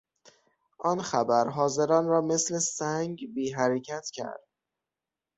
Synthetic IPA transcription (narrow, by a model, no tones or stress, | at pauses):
ʔɒnxæbæɾɦɒːze̞ɾɒːnɾɒːme̞sle̞sæŋɡbiːɦæɾecʰæt̪ʰcʰæ̰ɾd̪̥